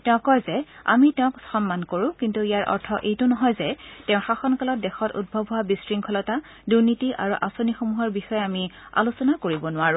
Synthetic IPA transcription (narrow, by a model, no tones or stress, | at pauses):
tɛʊ̃kɔjzɛa̰mitɛʊ̃kxɔnmankoɹʊ̃kintuijaɹʔɔ̰ɹtʰɔʔejtʊnɔɦɔjzɛtɛ̃ʊ̃xaxɔnkalɔt̚dɛxɔtṵd̚bʱɔbʱɔwabisɹiŋkʰɔlɔta | duɹnitiʔa̰ɹuʔasonixomuɦɔɹbixɔjɛami | a̰lusɔnakoɹibɔnʊwaɹũ